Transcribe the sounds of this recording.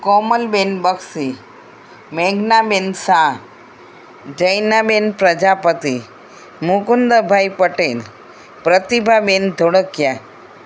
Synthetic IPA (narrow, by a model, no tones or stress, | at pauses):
kɔːməlbenbəksi | meɡnabensã | d͡ʒəjnabenpɾəd͡ʒapət̪i | mukund̪əbʱajpəʈel | pɾət̪ibʱabend̪ʱoɽəkja